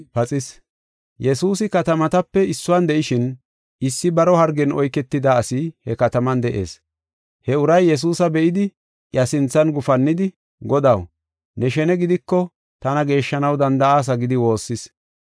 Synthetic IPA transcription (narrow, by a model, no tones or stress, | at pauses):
pɐt͡sʼɪs | jɛsuːsɪkɐt̪ɐmɐt̪ɐpːɛɪsːʊwand̪ɛʔɪʃɪn | ɪsːɪbɐɾɔhɐɾɡɛnɔjkːɛt̪ːɪd̪aːsɪhɛkɐt̪ɐmɐnd̪ɛʔḛːs | hɛʊɾɐjːɛs̬uːsɐbɛʔɪd̪ɪ | ʔjɐsɪnt͡sːɐnɡʊfɐnːɪd̪ɪ | ɡɔd̪ɐw | nɛʃɛnɛɡɪd̪ɪkːɔ | t̪ɐnɐɡe̞ːʃːɐnɐwd̪ɐnd̪ɐaːs̬ɐɡɪd̪ɪwo̞ːsːɪs